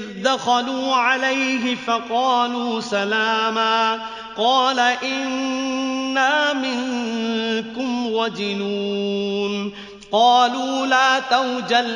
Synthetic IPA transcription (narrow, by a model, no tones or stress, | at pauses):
d̪axaluːʕalajɦɪfɑqɑːluːsalaːmaː | qɑːlaʔɪnː | aːmɪŋ | kʊmwad͡ʒɪnuːn | qɑːluːlaːt̪awd͡ʒal